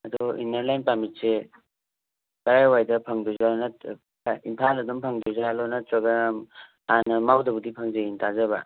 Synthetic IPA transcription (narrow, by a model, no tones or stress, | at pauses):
ɐdɔḭneɾlajnpamit̚se | kɐɾajwajdɐpʰɐŋduzanat | impʰalɐdumpʰɐŋduzalɔnaɔɡam | anɐmawdɐbudipʰɐŋzɐjintazɐβɐ̰